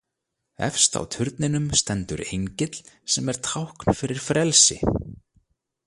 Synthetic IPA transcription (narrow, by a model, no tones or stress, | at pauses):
ɛ̰fst̪a̰wt̪ʰʏɾt̪nɪnʏmst̪ɛnt̪ʏɾejɲcɪt̪l̥sɛmɛɾ̥t̪ʰawhkn̥fɪɾɪɾ̥fɾɛlsɪ̰